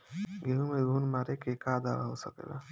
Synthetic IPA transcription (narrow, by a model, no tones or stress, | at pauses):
ɡʱeɦumeɡʱunmaɾekekad̪a̰ʋa̰ɦosəkḛla̰